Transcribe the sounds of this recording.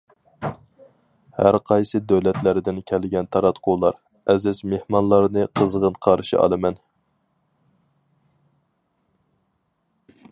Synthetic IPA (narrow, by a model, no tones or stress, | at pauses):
hæ̰ɾqʰɑjsɨd̪øwlɛt̪læɾd̪ɪnkʲʰɛlɡʲɛnt̪ʰɑɾɑt̪qʰulˠɑɾ | ɛzɪzmehmɑnlˠɑɾnɨqʰəzʁənqʰɑɾʃḭʔɑ̰lˠɨmɛn